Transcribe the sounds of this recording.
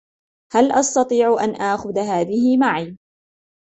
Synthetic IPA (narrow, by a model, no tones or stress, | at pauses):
halʔɑst̪ɑt̪ˤiːʕʊʔanʔaːxʊðɦaːðɪhɪmaʕiː